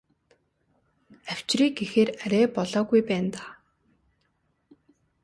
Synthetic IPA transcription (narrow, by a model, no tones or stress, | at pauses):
æw̥t͡ɕriːk̚ɡexeːræɾʲeːpɔɮɔːɣujpæːnt̪aː